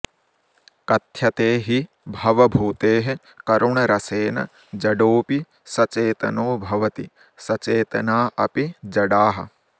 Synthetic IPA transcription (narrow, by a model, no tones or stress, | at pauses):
kɐt̪ʰjɐt̪eːɦi | bʱɐʋɐbʱuːt̪eːɦe | kɐɾuɳɐɾɐseːnɐ̰ | d͡ʒɐɖoːpi | sɐt͡ʃeːt̪ɐ̰noːbʱɐʋɐt̪i | sɐt͡ʃeːt̪ɐnaːʔɐpid͡ʒɐɖaːɦɐ̆